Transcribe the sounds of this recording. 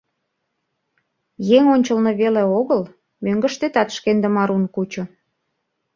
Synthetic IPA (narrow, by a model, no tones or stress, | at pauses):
jeŋonʲt͡ɕəlneβeleoɣəl | møŋɡə̆ʃt̪et̪ɑt̪ʃkend̪ə̆mɑɾunkut͡ɕŏ